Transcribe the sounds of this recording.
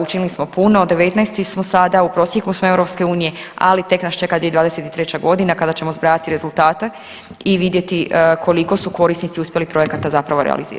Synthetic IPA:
ut͡ʃinilismo̞punoːd̪ːe̞ʋet̪najst̪ismo̞sad̪aupɾo̞sjeklusmoewɾo̞pske̞uːnije̞a̰lit̪e̞knast͡ʃe̞kad̪ʋieʋaːd̪eset̪i̥t̪ɾe̞t͡ɕaɡo̞d̪inakad̪at͡ɕe̞mozbɾaːat̪iɾe̞zulˠt̪aːt̪a | iʋid̪je̞t̪ikʰo̞liko̞suko̞ɾisnit̪siuspje̞lipɾo̞jekat̪azapɾaʋo̞ɾḛa̰lḭzḭɾ

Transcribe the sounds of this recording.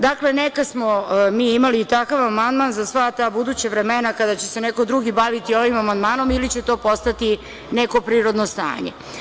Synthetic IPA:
d̪akle̞nekasmomiːimaliːt̪akaʋamand̪manzasʋat̪aːbud̪uːt͡ɕaʋɾemenakad̪at͡ɕese̞neko̞d̪ɾuɡibaʋit̪io̞ʋimamand̪maːno̞milit͡ɕe̞t̪o̞ːpo̞st̪at̪i | ne̞ko̞pɾiːɾo̞d̪nost̪a̰ːɲḛ

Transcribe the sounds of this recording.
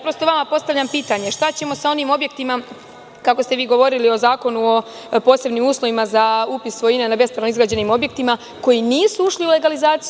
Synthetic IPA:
pɾo̞st̪oʋamapo̞st̪aʋʎampiːt̪aɲeʃt̪at͡ɕe̞mo̞sao̞niːmo̞bje̞k̚t̪ima | kako̞st̪e̞ʋiːɡo̞ʋo̞ɾilio̞zaːko̞nuo̞ | po̞ːse̞bniːmuːslˠoʋimazaupisʋo̞jinanabe̞sp̪oɾnoizɡɾaːd͡ʑe̞niːmo̞bje̞kt̪ima | ko̞jiniːsuuʃliule̞ɡalizaːt̪si

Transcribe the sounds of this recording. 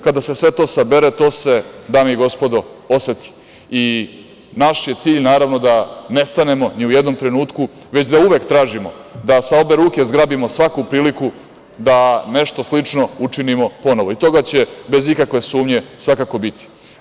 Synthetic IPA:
kad̪ase̞sʋe̞t̪o̞ːsabe̞ɾet̪o̞ːse̞d̪amiɡo̞spo̞d̪ooset̪i̥ | i | naʃje̞t̪siːʎnaːɾaʋno̞d̪ane̞st̪ane̞mo̞niujed̪no̞mt̪ɾe̞nuːt̪ku | ʋe̞t͡ɕd̪auʋe̞kt̪ɾaːʒimo̞̰d̪asao̞be̞ɾuːke̞zɡɾabimo̞sʋakupɾiːliku | d̪ane̞ʃt̪o̞slit͡ʂno̞ut͡ʂinimo̞po̞noʋo̞it̪o̞ɡat͡ɕe̞be̞zikakʋe̞suːmɲe̞sʋakako̞bit̪i̥

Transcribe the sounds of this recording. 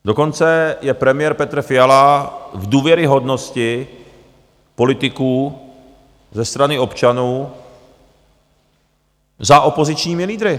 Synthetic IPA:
do̞ko̞nt͡sɛjɛpɾɛmɪjɛɾpɛt̪r̩fɪjalavduːvjɛɾɪɦo̞dno̞scɪ | po̞lɪt̪ɪkuː | zɛst̪ɾanɪo̞pt͡ʃanuː | zaʔo̞po̞zɪt͡ʃɲiːmɪliːd̪ɾɪ

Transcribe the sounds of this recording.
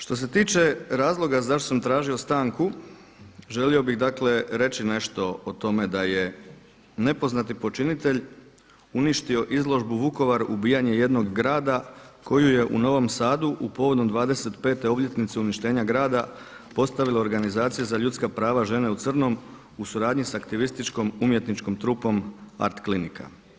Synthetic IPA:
ʃt̪o̞s̬e̞t̪iːt͡ʃe̞ɾaːzlˠo̞ɡazaʃ̬t̪osamt̪ɾaːʒio̞st̪aːŋku | ʒe̞lio̞biɣd̪akle̞ɾe̞t͡ɕine̞ʃt̪o̞ot̪o̞me̞d̪aje | ne̞po̞znat̪ipo̞t͡ʃinit̪e̞ʎ | uniʃt̪io̞ʔizlˠo̞ʒbuʋuko̞ʋaɾubiːjaɲe̞je̞d̪no̞ɡːɾaːd̪ako̞juje̞ʔṵno̞ʋo̞msaːd̪uʔupo̞ʋo̞d̪o̞md̪ʋaːd̪e̞se̞t̪pe̞ːt̪e̞o̞bʎʲe̞t̪nit̪seuniʃt̪e̞ːɲaɡɾaːd̪a | po̞st̪aʋilˠeoɾɡanizaːt̪sijezaʎut̪skapɾaːʋaʒe̞ne̞ut̪sr̩no̞m | usuɾaːd̪ɲisakt̪iʋist̪it͡ʃko̞mumje̞t̪nit͡ʃko̞mt̪ɾuːpo̞ma̰ɾt̪klinikʰa̰

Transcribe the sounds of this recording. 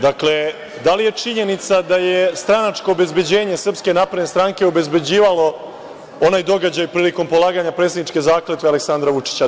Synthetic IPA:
d̪akle | d̪alije̞t͡ʂiɲe̞nit̪sad̪ajest̪ɾanat͡ʂko̞ːbe̞zbe̞d͡ʑe̞ːɲe̞sr̩pske̞napɾd̪nest̪ɾaŋke̞o̞be̞zbe̞d͡ʑiːʋalo̞ | o̞naːjd̪o̞ɡad͡ʑajpɾiːliko̞mpo̞lˠaːɡaɲapɾet̪sed̪it͡ʃke̞zaːklet̪ʋealeksand̪ɾaʋut͡ʂi̥t͡ɕa

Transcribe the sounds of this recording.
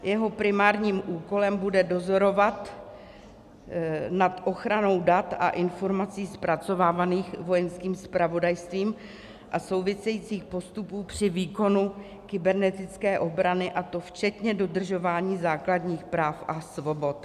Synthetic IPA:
jɛɦo̞pɾɪmaːɾɲiːmʔuːko̞lɛmbudɛdo̞zo̞ɾo̞vat̪ | nat̪ʔo̞xɾano̞wdat̪a̰ʔɪnfo̞ɾmat͡siːspɾat͡so̞vaːvaniːxvo̞jɛnskiːmspɾavo̞dajst̪viːm | ʔaso̞wvɪsɛjit͡siːxpo̞st̪upuːpr̥ɪviːko̞nu | kɪbɛɾnɛt̪ɪt͡skɛːʔo̞bɾanɪʔat̪o̞ft͡ʃɛt̪ɲɛdo̞dr̩ʒo̞vaːɲiːzaːkladɲiːxpɾaːfʔasvo̞bo̞t̪

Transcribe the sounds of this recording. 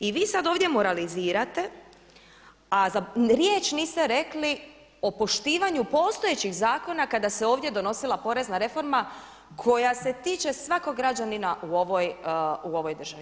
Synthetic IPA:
iʋiːsad̪o̞ːʋd̪jemo̞ɾaliziːɾat̪e̞ | azaɾje̞ːt͡ʃniːst̪e̞ɾe̞kli | o̞po̞ʃt̪iːʋaɲupo̞ːst̪o̞je̞t͡ɕiɣzaːko̞nakad̪aseoːʋd̪ʲje̞d̪o̞no̞silˠapo̞ɾe̞znaɾe̞fo̞ɾma | kʰo̞jase̞t̪iːt͡ʃe̞sʋako̞ɡɾad͡ʑaninaʔuo̞ʋo̞juo̞ʋo̞jd̪ər̩ʒ̥aʋi

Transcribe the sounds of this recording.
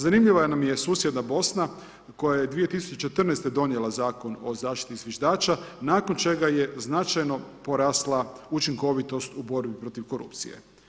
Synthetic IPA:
zanimʎiʋajenamje̞suːsjed̪nabo̞sna | ko̞jajed̪ʋije̞t̪isu̥t͡ʃet͡ʃe̞t̪r̩nejst̪ed̪o̞njelˠazaːko̞no̞̰zaːʃt̪i̥t̪iːzʋjeʒd̪aːt͡ʃanaːko̞nt͡ʃe̞ɡaje̞znat͡ʃajno̞po̞ɾaːslˠaut͡ʃiŋko̞ʋit̪o̞st̪ubo̞ɾbipɾo̞t̪iʋko̞ɾṵpt̪sḭjḛ

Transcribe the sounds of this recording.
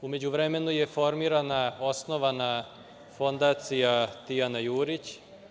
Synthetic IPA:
ume̞d͡ʑuʋɾeme̞nuje̞fo̞ɾmiːɾanao̞sno̞ʋana | fo̞nd̪aːt̪sijat̪ijanajuːɾit͡ɕ

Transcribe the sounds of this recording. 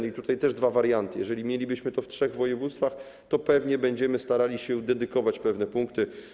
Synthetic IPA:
nit̪ut̪ajt̪ɛʐd̪vavaɾjant̪ɘjɛʐɛlʲimjelʲibɘɕmɘt̪ɔftʂɛɣvɔjɛvut̪st̪fax | t̪ɔpɛvɲɛbɛɲd͡ʑɛmɘst̪aɾalʲiɕɛd̪ɛd̪ɘkɔvat͡ɕpɛvnɛpuŋkt̪ɘ

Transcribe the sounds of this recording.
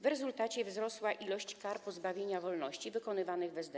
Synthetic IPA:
vɾɛzult̪at͡ɕɛvzɾɔswaʔilɔɕt͡ɕkaɾpɔzbavʲjeɲavɔlnɔɕt͡ɕivɘkɔnɘvanɘɣbɛzd̪ɛ

